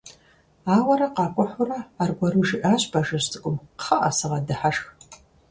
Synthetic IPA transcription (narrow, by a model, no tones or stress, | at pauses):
aːwɐɾɐqɑːkʷʼʊħʷʊrɐːrɡʷɐɾuʒɨʔaːɕbaʒɐɕtʰʼɨkʷʼʊmqχɐʔasɨʁɐdɨħaʂx